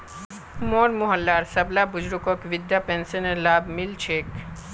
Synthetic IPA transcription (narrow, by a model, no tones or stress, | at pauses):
moːɾmʊɦəlːaːɾsɐblabʊd͡ʒɾukokʋɪd̪japẽːnsenelaːbmɪlt͡ʃʰeːk